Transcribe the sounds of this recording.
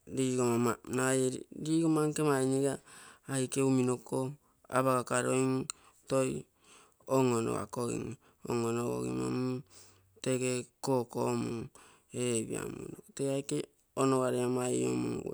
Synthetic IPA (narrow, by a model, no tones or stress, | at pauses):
ɾiɡomamanajɾɾiɡomaŋkemajniɡaːjkeuminoko | a̰βaɡakaɾojŋ | toj | oŋono̰a̰koɡḭŋ | oŋonoɡo̰ɡḭmo̰mu | teɡekokomuŋ | eβḭa̰muoteajke | onoɡaɾeamaio̰mṵŋ